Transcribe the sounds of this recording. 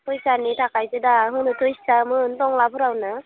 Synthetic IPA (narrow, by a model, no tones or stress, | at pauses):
tʰɯjsanitʰakʰajzɯdaɦɯnɯtʰɯjsamɯntɔŋlabʰɯɾawna